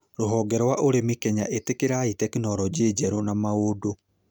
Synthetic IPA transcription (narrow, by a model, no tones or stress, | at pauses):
ɾoɦɔɡɛɾɔwaʔoɾemikɛɲaʔetekeɾaitɛkenɔɾɔd͡ʑeːd͡ʒɛɾonamaodo